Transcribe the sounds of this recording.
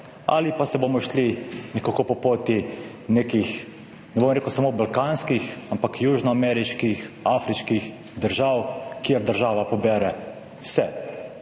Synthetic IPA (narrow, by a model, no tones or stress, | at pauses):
a̰lipasɛbomɔʃlinɛkokopɔpoːt̪i | neːkix | nɛboːmɾeːkusamoːbalkaːnskixampakjuːʒnɔamɛɾiʃkixafɾiʃkix | d̪əɾʒaːwkiɛɾd̪əɾʒaːʋapɔbɛɾɛ | wsɛ